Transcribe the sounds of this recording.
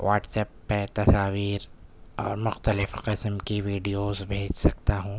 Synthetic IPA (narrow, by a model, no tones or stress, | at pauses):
ʋaːʈsɛːpːɐt̪ɐsaːʋiːɾɔ̰ːɾmʊxt̪əlɪfqɪsmkiʋiːɖijoːzbʱeːd͡ʒsɐkt̪aɦũː